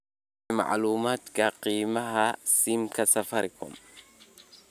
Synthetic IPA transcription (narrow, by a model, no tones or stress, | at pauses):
ma̰ʕluːmaːt̪kɐqiːmɐɦasimkɐsɐfɐɾɪkʊ̰m